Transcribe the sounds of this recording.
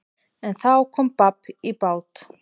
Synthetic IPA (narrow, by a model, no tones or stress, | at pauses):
ɛnθawkʰɔːmpapːipaːwt̪